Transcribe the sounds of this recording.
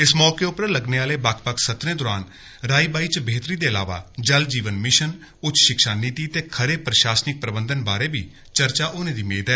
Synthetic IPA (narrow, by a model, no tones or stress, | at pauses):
ɪsmɔːkeːʊpɾələɡneːaːleːbakʰpəksət̪ɾẽːd̪ɔːɾaːn | ɾaːiːbaːiːt͡ʃbeːt̪ɾiːd̪eːəla̰ːʋa̰ːd͡ʒəld͡ʒiːʋənmɪʃən | ʊtt͡ʃʃɪkʃaːniːt̪iːt̪eːkʰəɾeːpɾəʃaːsnɪk̚pɾəbənd̪ənbaːɾeːbiː | t͡ʃəɾt͡ʃaːʔʊnẽːd̪iːmḛːd̪ɛː